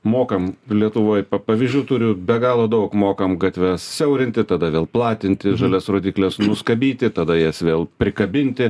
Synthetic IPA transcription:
moːkɐmlʲiɛt̪ʊʋoːjpɐpɐʋʲɪzʲd͡ʒʲuːt̪ʊɾʲʊbʲɛɡɑːlˠoːd̪ɐʊkmoːkɐmɡɐt̪ʲʋʲɛssʲɛʊɾʲɪnʲt̪ʲɪt̪ɐd̪ɐʋʲeːlˠplˠɑːt̪ʲɪnʲt̪ʲɪʒɐlʲɛsroːd̪ʲiːklʲɛsnʊskɐbʲiːt̪ʲɪt̪ɐd̪ɐjɛsʋʲeːlˠpʲɾʲɪkɐbʲɪnʲt̪ʲɪ

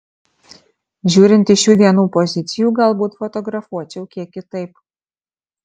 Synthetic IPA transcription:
ʒʲuːɾʲɪnt̪ʲiʃʲuːd̪ʲiɛnuːpozʲɪt̪t͡s̪ʲɪjuːɡɐlˠbuːt̪fɔt̪ɔɡɾɑfuɔt͡ʃʲɛʊkʲiɛkʲɪt̪ɐɪp

